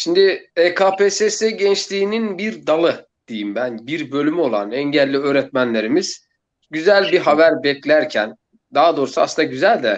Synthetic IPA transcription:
ʃimd̪ɪekʰaːpʰeseseɟɛnt͡ʃlʲiːninbiɾd̪alˠɯ | d̪̥ejimbænbiɾbø̞lʲymo̞lˠa̰nɛɲɟælʲːiø̞ːɾɛt̪̚mænlʲe̞ɾimiz̥ | ɟyzælʲbiɦavæɾbɛclʲæɾcʰæn | d̪aɦad̪o̞ːɾusua̰snaɟyzælʲd̪ɛ

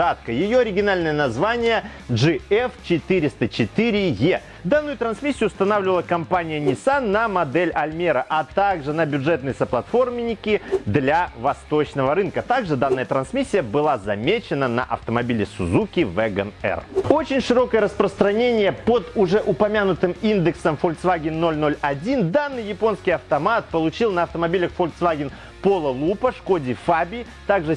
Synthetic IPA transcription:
at̪̚kəjɪjo̞ɐɾʲɪɡʲɪnalʲnəjənɐzvanʲɪjə | ʐɨɛft͡ɕɪt̪ɨɾʲɪst̪ət͡ɕɪt̪ɨɾʲɪje | d̪anːʊjʊt̪ɾɐnsmʲisʲːɪjʊːst̪ɐnavlʲɪvəlˠəkɐmpanʲɪjənʲɪsanːɐmɐd̪ɛlʲɐlʲmʲeɾəʔɐt̪aɡʐɨnəbʲʊʐɛt̪nɨjsəplˠɐt̪fo̞rmʲɪnʲɪkʲɪd̪lʲavɐst̪ot͡ɕnəvəɾɨnkət̪aɡʐɨd̪anːəjət̪ɾɐnsmʲisʲːɪjəbɨlˠazɐmʲet͡ɕɪnənɐ̰ʔɐ̰ft̪əmɐbʲilʲɪsʊzukʲɪvɛɡənɛ̰ro̞t͡ɕɪnʲʂɨɾo̞kəjəɾəspɾəst̪ɾɐnʲenʲɪjəpod̪ʊʐɛʔʊpɐmʲanʊt̪ɨmind̪ɨksəmfolʲksvaɡʲɪnːo̞lʲno̞lʲɐdʲind̪anːɨjɪpo̞nskʲɪjɐft̪ɐmat̪̚pəlˠʊt͡ɕilˠnəɐft̪əmɐbʲilʲəxfolʲsvaɡʲɪn | po̞lˠəlˠupəʂko̞dʲɪfabʲɪ | t̪aɡʐɨ

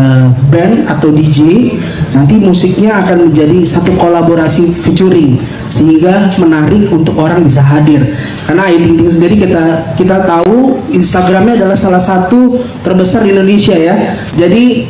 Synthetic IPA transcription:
əbɛnat̪awdid͡ʒe | nant̪̬imusɪk̚ɲaːkanməɲd͡ʒadisat̪ukolaboɾasifit͡ʃuɾɪŋ | səhiŋɡamənaɾɪk̚unt̪ʊkoɾaŋbisaɦadɪr | karnaːit̪iŋt̪ɪŋsəndiɾikit̪akit̪at̪auinst̪aɡɾamɲaːdalahsalahsat̪ut̪ərbəsardindonesiaja | d͡ʒadi

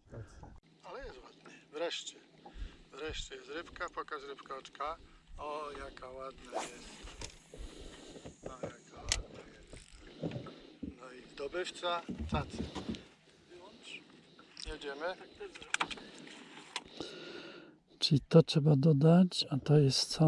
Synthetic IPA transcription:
alɛjɛst̪wad̪nɛvɾɛʂt͡ɕɛ | vɾɛʂt͡ɕɛjɛst̪ɾɪpkapɔkasɾɪpkaɔt͡ʂkaɔjakawad̪najɛst̪ | nɔjakawad̪najɛs | nɔizd̪ɔbɪft̪sat̪ʰat̪s | jɛd͡ʑɛmɘ | t͡ʂɘlʲit̪ɔtʂɛbad̪ɔd̪at͡ɕat̪ɔjɛst̪sa

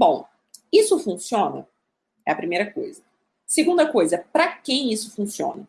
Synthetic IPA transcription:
bõw̃ | isʊfũsiõnɐ̰ | ɛɐpɾimejɾɐkojzɐ | seɡũnd̪ɐkojzɐpɾɐkẽj̃isʊfũsiõ̰nɐ

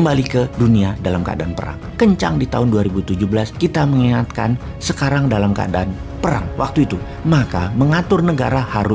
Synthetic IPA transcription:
əmbalikəduniadalamkə̰a̰danpəɾa̰ŋkəɲt͡ʃa̰ŋdit̪aɦʊnduaɾibut̪ud͡ʒubəlaskit̪aməŋiŋat̪̚ka̰n | səkaɾaŋdalamkə̰a̰dan | pəɾa̰ŋwak̚t̪uit̪u | makaməŋat̪ʊrnəɡa̰ɾahaɾʊ

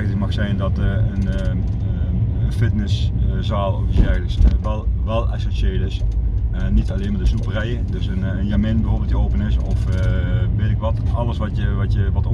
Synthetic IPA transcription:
əkmɑxsɛjndɑtən | əfɪtnəszaːlˠɔfisɛɹɣləksʋɛlˠʋɛlˠɛ̰soʃɪːəɹtɪs | nitɑleːmədəzuprɛjədɵsən | ənjamɪnbəhoːɹbɪlˠtjəoːpənɪsɔf | ʋeːtɪkʋɑtɑləsʋɑtjəʋɑtjəʋɔt

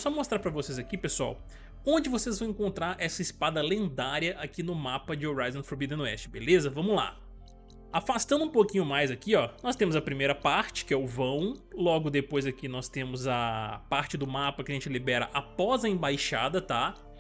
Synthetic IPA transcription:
sɔmost̪ɾaɾpɾɐvosezakipesua̰w | õnd͡ʒɪvosezvɐ̃w̃ẽŋkõnt̪ɾaɾʔɛsɐɪspad̪ɐlẽnd̪aɾjɐʔakinʊmapɐd͡ʒɪoɾajzõfoɾbid̪ɐ̃nʊɛst͡ʃɪ̥bḛlezɐvɐ̃mʊzla̰ | afast̪ɐ̃nd̪ũpokĩɲʊmajzakiɔnɔst̪ẽmʊzɐpɾimejɾɐpaɾt͡ʃɪ̥kɪɛʊvɐ̃w̃lɔɡʊd̪epojzɐkinɔst̪ẽmʊzɐpaɾt͡ʃɪd̪ʊmapɐkɪɐʒẽnt͡ʃɪlibɛɾɐ̰ʔapɔzɐẽbajʃa̰d̪ɐt̪a

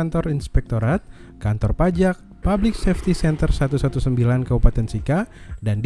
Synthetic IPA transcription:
nt̪ɔɾinspɛk̚t̪oɾat̪̚ | kant̪ɔrpad͡ʒak̚ | pablɪksɛft̪isɛnt̪ərsat̪usat̪usəmbilankəbupat̪ɛnsikadand

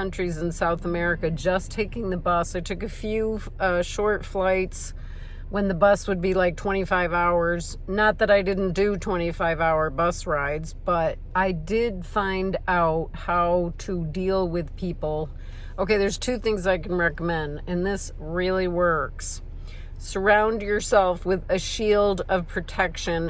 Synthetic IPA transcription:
ʌ̃nt͡ʃɹ̥izɨ̃n̩saʊθəmɛɹɨkɨd͡ʒʌstʰeɪkɪ̃ŋðɨbʌsaɪtʰʊkɨfjʉ | ʌʃɔɹtflaɪts | wə̃nðɨbʌswɨd̚bilaɪk̚tʰw̥ɛ̃ɾ̃ifaɪvaʊə˞z | nət̪̚ðɨɾaɪdɪdⁿn̩d̥ɨtʰw̥ɛ̃ɾ̃ifaɪvaʊə˞bʌsɹaɪdzb̥ʌɾ | ʔaɪdɪdfãɪ̃ndaʊt̚haʊɾɨdilˠwɪð̥pʰipl̩ˠ | oʊkeɪðə˞z̥tʰʉθɪ̃ŋzaɪkn̩ɹɛkəmɛ̃ndɨ̃nðɪs | ɹɪlˠiwɜ˞ksː | ə˞ãʊ̃nd͡ʒə˞sɛlˠfwɪðɨʃilˠdʌv̥pʰɹ̥ɨtʰɛkʃɨ̃n

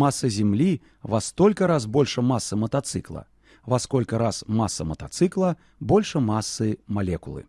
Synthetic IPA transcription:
masːɐzʲɛmlʲi | vast̪ɔlʲkɐɾaz̬bɔlʲʂɐmasːɐmɐt̪at̪sɨklˠɐ̰ | vaskɔlʲkɐɾasmasːɐmɐt̪at̪sɨklˠɐ | bɔlʲʂɐmasːɨmalʲɛkṵlˠɨ̰

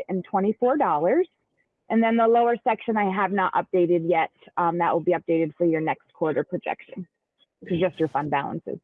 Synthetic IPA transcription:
ɨ̃ntʰw̥ɛ̃ɾ̃ifɔɹdɔlˠə˞z̥ | ʔɨ̃nðɨ̃nðəloʊə˞sɛkʃɨ̃naɪəvnəɾʔʌ̰p̚d̥eɪɾɨd̚jɛt̚mðəʔwʔəlˠbiʌp̚d̥eɪɾɨd̥fə˞jə˞nɛkskʰw̥ɔɹɾə˞pʰɹ̥ɨd͡ʒɛ̰kʃɨ̰̃n | kʰʌzd͡ʒʌst͡ʃə˞fʌ̃nbæ̰lˠə̰̃nsɨ̰z̥

